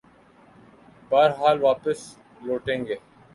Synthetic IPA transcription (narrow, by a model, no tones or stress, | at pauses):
baːɾɦaːlʋaːpəs | loːʈẽːŋɡeː